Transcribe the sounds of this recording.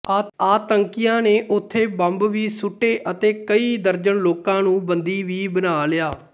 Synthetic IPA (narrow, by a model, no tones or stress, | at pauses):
aaːt̪əŋkɪjãːneːʔʊt̪ʰːeːbəmbʋiːsʊʈːeːʔət̪eːkəiːd̪əɾd͡ʒəɳloːkãːnũːbənd̪iːʋiːbənaːlɪjaː